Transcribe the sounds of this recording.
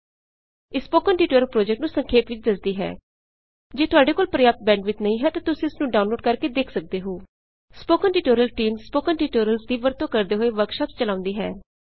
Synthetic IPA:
ɪspoːkənʈiːʈoːɾəlpɾoːd͡ʒɛkʈnũːsəŋkʰeːpʋɪt͡ʃd̪əzd̪iːɦɛ̰ː | d͡ʒeːt̪ʊaːɖeːkoːlpɾəjaːp̚t̪̚bɛ̃ːɳɖʋɪt͡ʃnəĩːɦɛːt̪ãːt̪ʊsĩɪsnũːɖaːʊ̃nloːɖkəɾkeːd̪eːkʰsək̚d̪eːɦoː | spoːkənʈiːʈoːɾəlʈiːmspoːkənʈiːʈoːɾəlsd̪iːʋəɾt̪õːkəɾd̪eːɦoːeːʋəɾkʃaːpt͡ʃəlãːʊ̃nd̪iːɦɛ̰ː

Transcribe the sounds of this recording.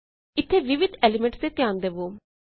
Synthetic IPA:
ɪt̪ʰːeːʋɪʋɪd̪ɛːlɪmɛ̃ɳʈst̪eːt̪ɪjaːnd̪eːʋoː

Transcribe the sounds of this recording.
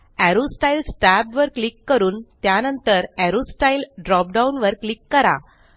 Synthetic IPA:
æɾosʈailsʈæbʋəɾklikːəɾuːnt̪janənt̪əɾæɾosʈailɖɾɔp̚ɖaunʋəɾklikːəɾa̰

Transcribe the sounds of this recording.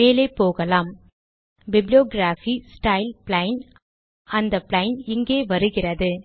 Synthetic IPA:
eːleːpoːɣɐlaːm | bɪblɪjoːɡɾaːfisʈɐɪlplɐɪn | ɐnd̪ɐpɭɐɪnɪŋɡeːʋɐɾɯɣɪrɐðɯ

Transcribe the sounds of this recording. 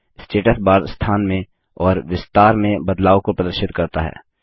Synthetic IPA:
sʈeːʈəsbaːd̪st̪ʰaːnmẽ | ɔːɾʋɪst̪aːɾmẽbɐd̪laːokopɾəd̪əɾʃɪt̪kɐɾt̪a̰ɦɛ̰ː

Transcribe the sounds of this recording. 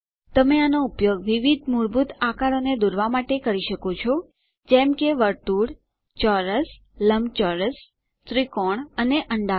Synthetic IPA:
t̪əmeanoupjoɡʋiʋid̪ʱmuɾbut̪akaɾoned̪uɾʋamaʈekəɾiʃəkot͡ʃʰɔ | d͡ʒɛmkeʋəɾt̪uɽ | t͡ʃɔɾəs | ləmt͡ʃɔɾəs | t̪ɾikoɳəneʔəɳɖa

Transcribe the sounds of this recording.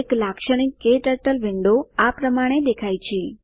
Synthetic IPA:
eklakʃəɽ̃ikːeʈəɾʈəlʋɪɳɖoapɾəmaɽ̃ed̪ekʰajt͡ʃʰe

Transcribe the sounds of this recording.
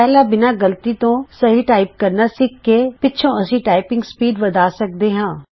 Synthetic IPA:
pɛːlãːbɪnaːɡəlt̪iːt̪õːsəɦiːʈaːɪp̚kəɾnasɪkːeːpɪːt͡ʃʰʃʰõːɐsĩːʈaːɪpɪ̃ŋɡspiːɖʋɐd̪aːsək̚d̪eːɦãː

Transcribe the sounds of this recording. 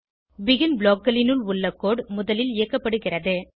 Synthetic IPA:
ʋɪɣɪnbɭoːkːɐlɪnɯɭʊɭːɐkːoːɽmʊðɐlɪlɪjɐkːɐpːɐɽɯɣɪrɐðɯ

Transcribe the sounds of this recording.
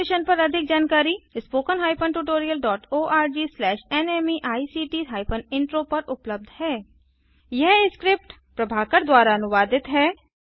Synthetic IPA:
ɪʃənpɐɾɐd̪ʱɪk̚d͡ʒaːnkaːɾispoːkənɦaːɪpʰənʈuʈoːɾijəlɖɔːʈoːʔaːɾd͡ʒiːslɛːʃɛnɛːmiʔaːisiːʈiːɦaːɪpʰənɪ̃ɳʈɾoːpɐɾʊpləb̚d̪ʱhɛː | jɛɦskɾɪp̚ʈ | pɾɐbʱaːkəɾd̪waːɾaɐnʊʋaːd̪ɪt̪ɦɛː

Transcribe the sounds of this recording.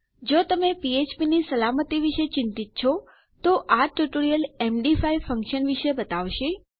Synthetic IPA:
d͡ʒot̪əmepiet͡ʃpinisəlamət̪iʋiʃet͡ʃɪ̃nt̪it̪̚t͡ʃʰɔ | t̪oʔaʈuʈoɾijəlemɖifaifə̃ŋkʃənʋiʃebət̪aʋʃi

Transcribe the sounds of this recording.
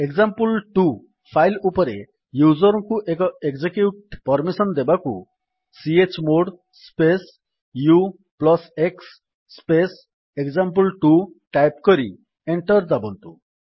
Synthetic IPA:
eɡzampulʈu | pʰajlupɔɾe | juzɔɾɔŋkuʔekɔekd͡ʒekjuʈpɔɾmisɔnd̪ebakṵ | siet͡ʃmoɽ | spes | ju | plɔseksː | pes | ekzamp̬ulʈuʈajpkɔɾi | eɳʈɔɾd͡ʒabɔnt̪u

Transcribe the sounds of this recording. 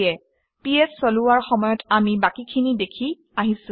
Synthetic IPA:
ɛ | piɛssːoluwaɹxɔmɔjɔtamibakikʰinidekʰi | aɦisʊ̃

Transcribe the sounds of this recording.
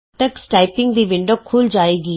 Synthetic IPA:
ʈəksʈaːɪpɪ̃ŋɡd̪iʋɪ̃ɳɖoːkʰuːld͡ʒaːeːɡiː

